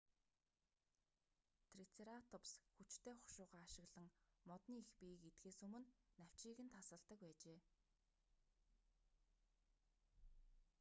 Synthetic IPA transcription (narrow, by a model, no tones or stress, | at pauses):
t̪ʰrit͡sʰeɾat̪ʰʊpsxut͡ɕt̪ʰeːχʊʃʊːʁaːaʃɪ̆ɣɮə̆ŋmɔt̪niːixpiket̪xeːsɵmɵ̆nːæw̥t͡ɕiːɣɘ̆nt̪ʰasə̆ɮt̪ə̆k̚pæːt͡ɕeː